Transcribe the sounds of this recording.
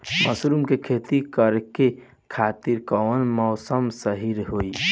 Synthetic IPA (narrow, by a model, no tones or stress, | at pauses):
məsɾumkekʰet̪ikəɾke | kʰat̪iɾkɔwənmɔːsəmsəɦiɾɦoi